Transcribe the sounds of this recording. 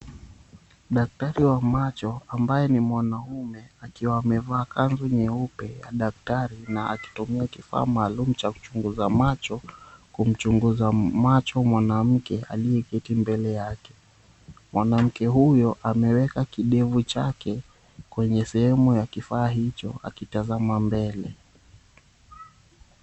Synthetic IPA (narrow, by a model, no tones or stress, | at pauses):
ɗak̚taɾiwamat͡ʃɔambajɛnimwanaumɛakiwaːmɛvaːkanzɔɲɛupɛja̰ɗak̚taɾinaaki̥tumiakifa̰ːmaːlum̩t͡ʃaku̥t͡ʃuŋɡuzamat͡ʃɔkum̩t͡ʃuŋɡuzamat͡ʃɔmwanam̩kɛʔa̰liɛkɛtimbɛlɛjakɛ̥ | mwʔanam̩kɛɦujɔʔamɛwɛkakiɗɛvut͡ʃakɛ | kwɛɲɛsɛhɛmujakifaːɦit͡ʃɔ̰a̰kitazamambɛlɛ